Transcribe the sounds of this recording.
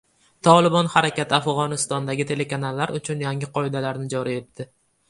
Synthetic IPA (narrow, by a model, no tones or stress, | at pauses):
t̪ʰɒlˠɪbɒnhaɾakʲat̪ʰɪafʁɒnɪst̪ɒnd̪aɡʲɪt̪ʰe̞le̞kanalːaɾʊt͡ʃʰʊnjaŋɪqʰɒɪd̪alaɾnɪd͡ʒɒɾɪje̞t̪ːɪ